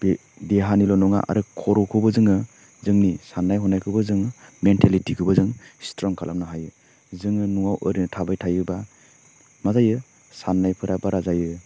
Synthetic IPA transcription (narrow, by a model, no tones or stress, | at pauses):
b | deɦanilɔnɔŋa̰ʔa̰ɾɯkʰɔɾɔkʰɯwbɯzɯŋɯ | zɯŋnisanːajɦɔnajkʰɯwbɯzɯŋmentʰalitikʰɯbazɯŋstɾɔŋkʰalʔamnaɦajɯ | zɯŋɯnuŋawʔɯ̰ɾinɯtʰabajtʰajɯba | mazajɯ | sanːajpʰɯɾabaɾazajɯ